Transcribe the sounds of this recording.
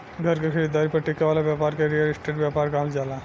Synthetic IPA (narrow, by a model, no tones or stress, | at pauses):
ɡʱəɾkekʰɐɽid̪ːaːɾipɐɾʈɪkaʋaːlabjaːpaːɾkeɾijəlɪsʈeːʈbjaːpaːɾkaɦld͡ʒaːlaː